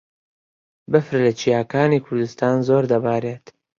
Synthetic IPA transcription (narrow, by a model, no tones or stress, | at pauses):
bɨfɾlɐt͡ʃʰijaːkaːniːkʰʊɾd̪ust̪aːnzoːɾd̪ɐbaːɾeːt̪